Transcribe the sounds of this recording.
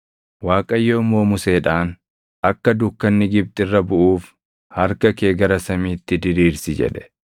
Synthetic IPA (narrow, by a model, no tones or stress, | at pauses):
waːkʼɐjːo̞ːmo̞ːmʊse̞ːᶑaːn | ʔɐkːɐd̪ʊkːɐnːɪɡɪb̚t̪ʼɪrːɐbʊʔuːf | hɐɾkɐke̞ːɡɐɾɐsɐmiːt̪ːɪd̪ɪɾiːɾsɪd͡ʒɛ̰ᶑɛ̥